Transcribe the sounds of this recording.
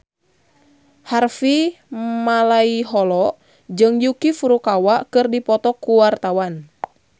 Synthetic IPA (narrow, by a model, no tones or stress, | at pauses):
harfimalaiɦɔlɔʔ | d͡ʒɨŋjukifuɾukawaʔkɨrdipɔt̪ɔkuwart̪awan